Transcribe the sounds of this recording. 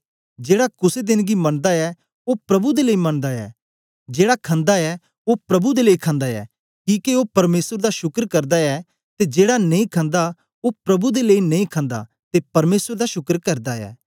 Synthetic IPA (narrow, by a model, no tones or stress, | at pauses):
d͡ʒeːɽakʊsed̪ɪnɡimɐɳ̃d̪aɛ | opɾɐbud̪eləimɐɳ̃d̪aɛ̰ː | d͡ʒeːɽakʰɐ̃nd̪aɛ | opɾɐbud̪eleikʰãːnd̪aɛ̰ː | kĩːkiopɐɾmeːsəɾd̪aʃʊkɾkɐɾd̪aɛ | t̪ed͡ʒeːɽanɐĩkʰɐ̃nd̪a | opɾɐbud̪eleinɐĩkʰãːnd̪a̰ | t̪epɐɾmeːsəɾd̪aʃʊkɾkɐɾd̪aɛ̰ː